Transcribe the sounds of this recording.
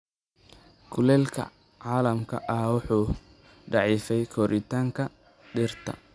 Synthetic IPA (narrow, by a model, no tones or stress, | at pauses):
kʰʊlɛːlkʰɐ̰ | ʕaːlɐmkʰɐ̰ʔɐwʊħuː | ɖɑʕiːfɛjkʰɔːɾʔɪt̪ʰaːŋkʰɐ | ɖɪrt̪ʰɐ̰